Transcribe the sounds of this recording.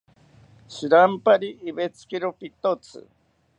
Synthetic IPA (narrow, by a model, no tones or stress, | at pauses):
sɨɾampaɾiʔːβet͡sʰkiɾopit̪ot͡sʰɨ̰